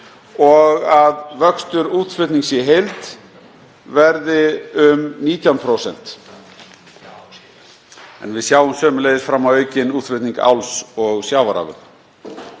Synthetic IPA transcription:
ɔɣaðvœkst̪ʏɾuːt̪fʏt̪niŋksɛɦejlt̪ | vɛɾðɪʏmniːt̪ʰjawnpʰɾoːwsɛn̥t̪ | ɛ̰nvɪðsjaːwʏmsœːmʏlejðɪsfɾamːawœːɥcɪnuːt̪fɪt̪niŋka̰wlsɔɣsjaːwvaɾa̰ːvʏ̰n

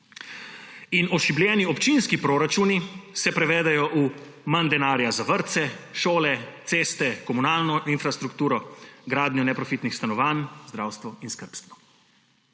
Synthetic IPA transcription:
inɔʃibljɛːniɔpt͡ʃinskipɾoːɾat͡ʃuːnisɛpɾɛʋɛːd̪ɛjɔʔu | mand̪ɛnaːɾjazaʋəɾt̪sɛʃoːlɛt̪seːst̪ɛkɔmunaːlnɔʔinfɾast̪ɾukt̪uːɾɔɡɾaːd̪njɔnɛpɾɔfit̪nixst̪anɔʋaːnzd̪ɾawst̪ʋɔinskəɾpst̪ʋɔ

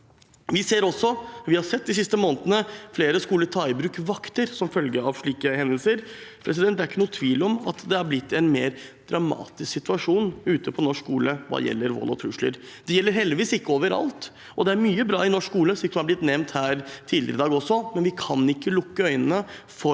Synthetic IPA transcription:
ʋɪseːɾɔsːɔʋɪhɑɾsɛt̪̚ːd̪ɪs̬ɪst̪əmoːnt̪ənəfleːɾəskuːlət̪ʰɑɪbɾʉːkʋɑkt̪əɾsɔmfœlɡəɑʋʂɭiːkəhɛnd̪əlsəɾpʰɾʔɛsɪd̪ɛnt̪d̪æɾɪkːənuːt̪ʰʋiːlɔmɑt̪d̪ɛæɾblɪt̪ːɛnmeːɾd̪̥ɾɑmɑ̰ːt̪ɪsksɪt̪ʉɑʂuːnʉːt̪əpʰɔnɔʂkːuːləʋɑ̰ːjɛ̰lːəɾʋo̰lɔ̰t̪ʰɾʉʂɭə̰ɾ | d̪ɛjɛlːəɾɦɛld̪ɪʋiːsɪkːəoːʋəɾɑ̰lt̪ | ʔɔd̪ɛæɾmyːəbɾɑ̰ːɪnɔʂkkuːləʂlɪsɔmɑblɪt̪nɛmnt̪hæːɾt̪ʰiːd̪lɪ̰əɾəd̪ɑːɡɔsːɔmɛnʋɪkʰɑnɪkːəlʊkːəœʏnənə | fɔ

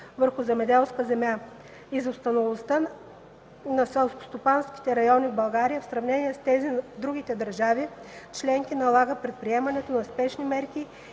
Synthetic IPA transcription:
vəɾxʊzɛmɛd̪ɛlˠskəzɛmʲja | izost̪ɐnovˠost̪ə | nɐsɛlˠsko̥st̪opanskʲi̥t̪ɛɾɐjɔnʲivbɐlˠɡaɾijəfsɾɐvnɛniɛst̪ɛzid̪ɾuɡ̟ʲit̪ɛd̪ɐɾʒavit͡ʃlɛŋk̟inɐlˠaɡəpɾɛt̪̚pɾiɛmɐnɛt̪onɐspɛʃnimɛɾkʲi

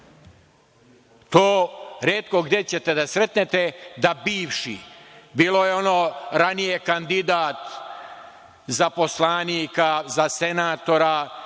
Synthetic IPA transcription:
t̪oːɾeːt̪ko̞ɡd̪e̞t͡ɕe̞t̪e̞d̪asɾe̞t̪net̪ed̪abiːʋʃḭbiːlo̞jeo̞noɾanijekand̪id̪aːt̪ | zapo̞slaːniːkazasenaːt̪o̞ɾa

